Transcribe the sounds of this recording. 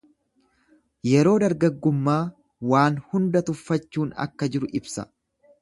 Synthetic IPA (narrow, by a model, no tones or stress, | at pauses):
jɛɾo̞ːd̪ɐɾɡɐɡːʊmːaː | waːnhʊnd̪ɐt̪ʊfːɐt͡ʃːuːnɐ̰kːɐd͡ʒɪɾʊʔɪbsɐ̰